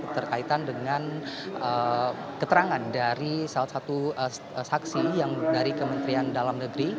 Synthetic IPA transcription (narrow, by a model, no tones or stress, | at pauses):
t̪ərkait̪andəŋanəkət̪əɾaŋandaɾisalat̪sat̪uə | saksijaŋdaɾikəmənt̪ɾiandalamnəɡɾi